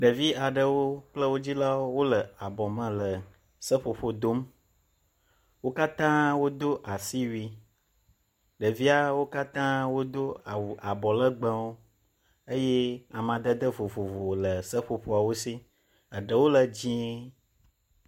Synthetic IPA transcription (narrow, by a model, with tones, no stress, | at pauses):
ɖə˨vi˦a˨ɖə˨wo˦k͡plə˦wo˦d͡ʑi˦la˦wo˦wo˦lə˨a˨bɔ˨mə̃˨lə˨ | sə˦ɸo˨ɸo˦d̪o˦m | wo˦ka˦t̪ã˦wo˦d̪o˦ʔa˨si˦wi˨ | ɖə˨vi˦a˦wo˦ka˦t̪ã˦wo˦d̪o˦a˨a˨bɔ˨lə˦ɡ͡bə̃˦wo˦ | ə˦je˦a˨mã˨d̪ə˦d̪ə˦vo˨vo˨vo˨lə˨sə˦ɸo˨ɸo˦a˨wo˦si˦ | ə˨ɖə˨wo˦lə˨d͡ʑĩ˦